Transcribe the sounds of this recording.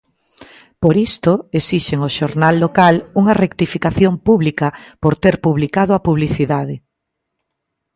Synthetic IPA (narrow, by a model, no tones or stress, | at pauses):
poɾist̪oesiʃeŋoʃoɾnalːokaluŋɐrekt̪ifikaθjompuβlikɐpoɾt̪eɾpuβlikaðʊɐpuβliθiðaðɪ